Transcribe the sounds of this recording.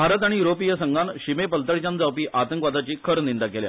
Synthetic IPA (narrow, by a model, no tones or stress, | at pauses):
bʱaɾət̪aɽ̃ijuɾopijəsəŋɡanɕimepəlt̪əɭt͡ɕand͡zawpiːʔʔat̪əŋkʋad̪at͡ɕiːkʰəɾnind̪akelja̰